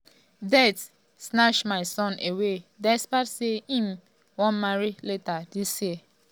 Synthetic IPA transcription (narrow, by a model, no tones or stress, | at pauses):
dɛt | snaʃmaɪsɔ̃nʔewedɛspatseĩm̩ | wɔ̃nmaɾiletadisje